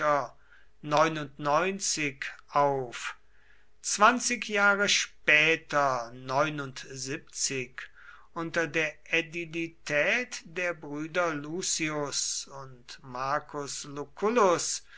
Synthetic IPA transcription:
ɐ | nɔʏnʊntnɔʏnt͡sɪkʔaʊf | t͡sv̥ant͡sɪkʰjaːʁəʃpɛːtɐnɔʏnʊntzip̚t͡sɪk | ʔʊntɐdeːɐʔedilitʰɛːtd̥eːɐbʁyːdɐluːsiʊsʊntmaɐkʰʊslukʊlʊs

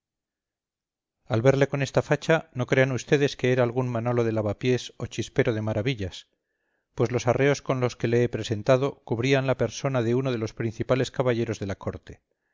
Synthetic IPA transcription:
alβe̞ɾle̞ko̞ne̞st̪afat͡ʃano̞kɾe̞anust̪e̞ðe̞ske̞eɾaːlɣunmano̞loð̞e̞laβapje̞so̞t͡ʃispe̞ɾo̞ð̞e̞maɾaβiʎas | pwe̞zlo̞sare̞o̞sko̞nlo̞ske̞leepɾe̞se̞nt̪aðo̞kuβɾianlape̞ɾso̞naðe̞uno̞ð̞e̞lo̞spɾin̟θipale̞skaβaʝe̞ɾo̞zðe̞lako̞ɾt̪e̞̥

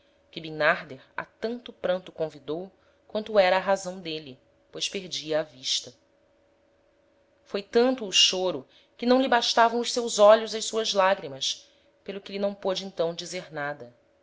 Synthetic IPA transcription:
kɪbĩnaɾd̪eɾa̰t̪ɐ̃nt̪ʊpɾɐ̃nt̪ʊkõvid̪ow | kwɐ̃nt̪ʊɛɾɐːɦazɐ̃w̃d̪eli | pojʃpeɾd͡ʒiɐːviʃt̪ɐ | fojt̪ɐ̃nt̪ʊːʃoɾʊ | kɪnɐ̃w̃libaʃt̪avɐ̃w̃ʊʃsewzɔʎʊzɐjsuɐzlaɡɾimɐs | pelˠʊkɪlinɐ̃w̃pod͡ʒɪẽnt̪ɐ̃w̃d͡ʒizeɾnad̪ɐ

